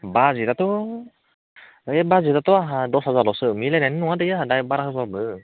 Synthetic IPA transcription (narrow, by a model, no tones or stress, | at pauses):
bazit̪at̪u | ebazit̪at̪uaɦadɔsazalɔsəʔmilɛnɛnnuat̪̬əjaɦadajbaɾakəsabə